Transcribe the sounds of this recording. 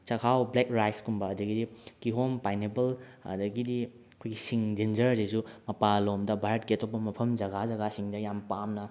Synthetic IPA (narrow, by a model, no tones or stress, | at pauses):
t͡ʃɐkʰawblekɾajskumbɐːdɐɡidikiɦompajnebɐlɐ̰dɐɡidi | ɐkʰojɡisiŋd͡ʒend͡ʒɐɾdisumɐpalomdɐbʱaɾɐt̚keɐtʰopːɐmɐpʰɐmd͡ʒɐɡazɐɡasiŋdɐjampamnɐ